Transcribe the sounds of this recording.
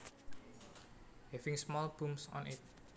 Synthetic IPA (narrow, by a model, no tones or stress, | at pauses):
hɛfɪ̃ŋsmɔlb̥umsɔ̰̃nɪt̪̚